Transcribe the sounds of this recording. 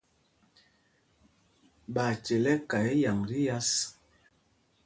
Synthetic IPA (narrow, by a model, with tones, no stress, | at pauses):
ba˨t͡ʃɛ˨lɛ˦ka˨ɛ˦ja˨ŋɾi˦ja˦s